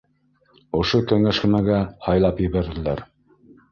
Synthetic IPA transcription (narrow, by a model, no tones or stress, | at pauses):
ŏʃokæŋæʃkɘ̆mæɡæhɑjlˠɑpjɘ̆βæɾðɘ̆læɾ